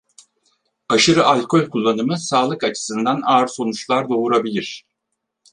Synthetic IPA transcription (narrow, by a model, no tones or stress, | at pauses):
aʃɯɾɯʔalʲko̞lʲkʰulˠːanɯmɯsaːlˠɯkat͡ʃʰɯ̥sɯnd̪anaːɾso̞nut͡ʃlˠaɾd̪o̞uɾabilʲiɾ̥